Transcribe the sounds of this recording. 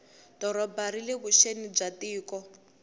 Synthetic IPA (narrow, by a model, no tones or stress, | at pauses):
d̥ɔɾɔbaɾileβuʃenib͡ʐatiːkɔ